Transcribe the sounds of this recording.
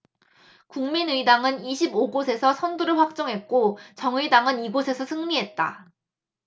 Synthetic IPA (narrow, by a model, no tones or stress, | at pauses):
kuŋminɯidaŋɯniɕʰiboɡosʰe̞sʰʌsʰʌndoɾɯɭɸwak̚t͡ɕ͈ʌŋɦe̞t̚k͈ot͡ɕʌŋɯidaŋɯniɡosʰe̞sʰʌsʰɯŋɲiɦe̞t̚t͈a̰